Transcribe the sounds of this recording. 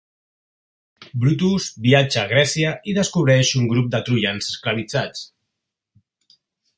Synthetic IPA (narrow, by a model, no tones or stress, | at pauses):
bɾut̪uzbiad͡ʒaːɣ̞ɾɛsiəiðəskuβ̞ɾɛʃuŋɡɾup̚d̪ət̪ɾuʎanzəsklaβ̞id͡zat͡s